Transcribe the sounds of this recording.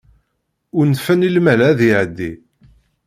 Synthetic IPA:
ʊɾnfænilmælæðiʕəd̪ːi

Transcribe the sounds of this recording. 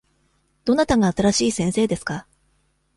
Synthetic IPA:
d̪̥o̞nat̪aɡaːt̪aɾaɕiːsẽ̞ɰ̃se̞ːd̪e̞sɨ̥ka

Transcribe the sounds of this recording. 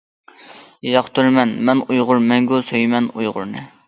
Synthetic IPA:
jɑχt̪yɾmɛnmɛnujʁʊɾmɛŋɡʲosøjmɛnujʁʊ̰ɾnɨ̰

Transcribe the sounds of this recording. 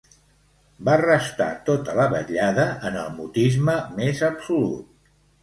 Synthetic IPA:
barəst̪a̰t̪ot̪ələβə̰ʎaðəʔənəlˠmut̪izməmezəpsulṵt̪̚

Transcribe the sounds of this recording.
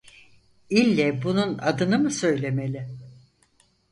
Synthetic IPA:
ilʲːɛbununad̪ɯnɯmɯsø̞jlʲe̞me̞lʲɪ

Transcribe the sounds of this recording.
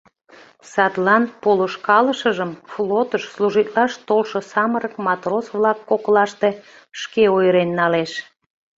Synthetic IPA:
sɑt̪lɑnpoloʃkɑləʃəʒəmflot̪əʃsluʒit̪lɑʃt̪olʃŏsɑməɾəkmɑt̪rosβlɑkːoklɑʃt̪e | ʃkeojɾenːɑleʃ

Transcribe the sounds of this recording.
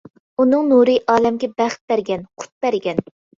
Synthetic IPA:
unɨŋnuɾɨʔɑːlɛmɡʲɛbæχt̪̚b̥æɾɡʲɛnqʰʊ̥t̪̚bæɾɡʲɛn

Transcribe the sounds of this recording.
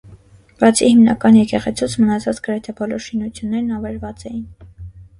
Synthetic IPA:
bɑt͡sʰihimnɑ̰kɑnjɛkɛʁɛt͡sʰut͡sʰmənɑt͡sʰɑt͡sɡəɾɛt̪ʰɛbɔlɔɾʃinut͡sʰjunːɛɾnɑvɛɾvɑt͡sɛjin

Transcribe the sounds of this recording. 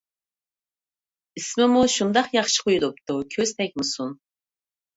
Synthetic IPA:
ismɪmuʃund̪ɑqjɑχʃɨ̥qʰojud̪up̚t̪ʰukʲʰøz̥t̪ʰɛk̚ʲmɨsun

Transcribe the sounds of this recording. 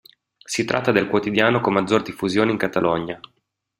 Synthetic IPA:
sit̪ɾʔa̰t̪ːad̪elkwot̪id̪jaːnokomazːord̪ifːuzjoːneiŋkat̪alʔɔɲa

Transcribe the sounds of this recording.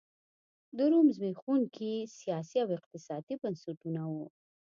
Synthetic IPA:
d̪əɾumzbexuŋkʰisijɑsiawɪq̚t̪ɪsɑd̪ibənsuʈunawu

